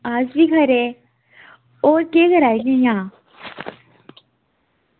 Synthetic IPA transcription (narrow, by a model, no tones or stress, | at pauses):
aːd͡ʒbiːɡʱəɾe | oːɾkeːɡʱəɾaːeɡẽjãː